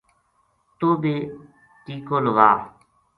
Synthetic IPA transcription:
t̪oːbeː | t̪iːkoːlʋaː

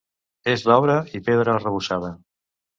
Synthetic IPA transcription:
ezðɔβɾəipeðɾərəβuʃað̞ə

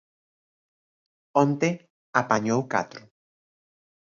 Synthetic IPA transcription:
õnt̪e | apaɲowka̰t̪ɾʊ

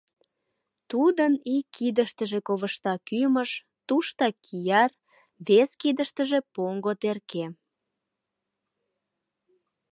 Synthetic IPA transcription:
t̪ud̪ənikʰːid̪əʃt̪əʒekoβəʃt̪ɑkyməʃ | t̪uʃt̪ɑkʰijɑr | βeskid̪əʃt̪ə̆ʒepoŋɡot̪erke

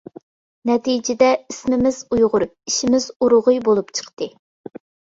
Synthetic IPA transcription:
nɛt̪ijd͡ʒɪd̪ɛismɪmɪz̥ujʁʊɾup̚iʃɪmɪzuɾʊʁʊjbolˠupt͡ʃʰə̥qt̪ɨ

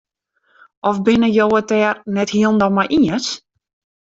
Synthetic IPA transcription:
ʔɔfbɪnəjoːətɛːrnɛthiəlˠn̩dɔmajʔiəs

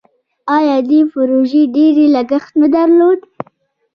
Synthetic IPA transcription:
ɑjɑd̪ipʊɾoʒeɖeɾelaɡəxt̪nad̪aɾlod̪

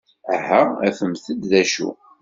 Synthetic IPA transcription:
æɦææfəmθəd̪ðæʃṵ

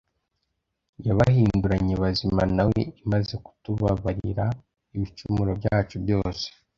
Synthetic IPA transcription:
jaβahiːnduɾaɲeβazimanawḛimazeku̥tuβaβaɾḭɾa | iβit͡ʃumuɾo̞bjaːt͡ʃubjo̞ːse̥

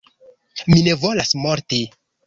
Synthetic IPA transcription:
mine̞volasmoɾti

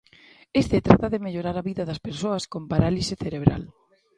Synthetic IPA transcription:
est̪et̪ɾat̪ɐðemeʎoɾaɾɐβiðɐðɐspeɾsoɐskompaɾalisɪθeɾeβ̞ɾa̰l

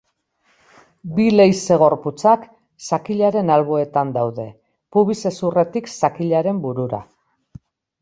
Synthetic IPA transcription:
bile̞jse̞ɣ̞o̞ɾput͡sak | sakiʎaɾe̞nalβoe̞t̪and̪awðe̞ | puβise̞sure̞t̪iksakiʎaɾe̞mbuɾuɾa̰

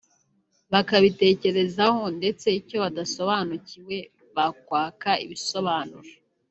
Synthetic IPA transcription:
βakaβite̞ːce̞ɾe̞zaho̞nde̞t͡se̞ico̞βadaso̞βaːnuciwe̞ | βak̚waːkaḭβiso̞βaːnuɾo

